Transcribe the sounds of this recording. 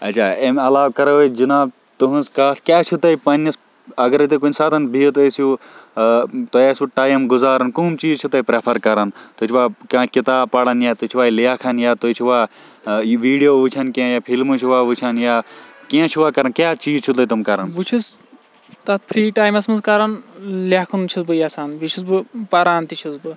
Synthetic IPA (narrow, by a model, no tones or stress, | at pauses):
ɐt͡ʃʰaːemɐlaːʋkɐɾɐʋed͡ʒinaːb | t̪uɦũnzkaːt̪kjaːt͡ʃʰut̪ɐipɐnɐs | ɐɡɐɾɐt̪ekunʲsaːt̪ʰɐnbʱit̪esiju | t̪oesuʈaːjmɡʊzaːɾɐnkuːmt͡ʃiːzt͡ʃʰut̪ɐipɾepʰɐɾkɐɾɐnt̪ot͡ʃʰiʋaːkãkit̪aːbpɐɽɐnjaːt̪ot͡ʃʰuʋaːilijaːkʰɐnjaːt̪ot͡ʃʰuʋaː | ʋiːɖijoːʋut͡ʃʰɐnkiãjaːpʰilmut͡ʃʰuʋaːʋut͡ʃʰɐnjaːkiãt͡ʃʰuʋaːkɐɾɐnkʲjaːt͡ʃiːzt͡ʃʰut̪ɐt̪umkɐɾɐnʋut͡ʃʰis | t̪ɐt̪pʰɾiːʈaːjmɐsmɐnzkɐɾɐnlaːkʰɐnut͡ʃʰisbɨjaːsaːnʋit͡ʃʰisbɨpɐɾaːnt̪it͡ʃʰisbɨ